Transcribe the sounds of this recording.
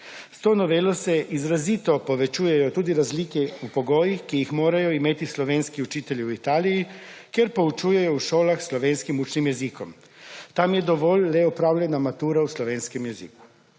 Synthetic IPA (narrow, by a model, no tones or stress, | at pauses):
st̪oːnɔʋeːlɔsɛʔizɾazit̪ɔpɔʋɛt͡ʃuːjɛjɔt̪uːd̪iɾazliːkɛupoɡoːjixkijixmoːɾajɔimeːt̪islɔʋeːnskiut͡ʃiːt̪ɛliwit̪aːlijikjɛɾpout͡ʃujɛjɔuʃoːlaxslɔʋeːnskimut͡ʃnimjɛzikɔm | t̪amjɛd̪ɔʋoːllɛɔpɾaːwlʲjʲɛnamat̪uːɾauslɔʋeːnskɛmjɛzḭːku̥